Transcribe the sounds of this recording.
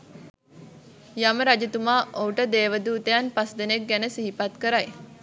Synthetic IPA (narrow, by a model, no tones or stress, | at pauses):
jaməɾad͡ʒet̪umaːʔouʈəd̪eːʋəd̪uːt̪ejanpasd̪enek̚ɡænəsiɦipat̪kəɾaj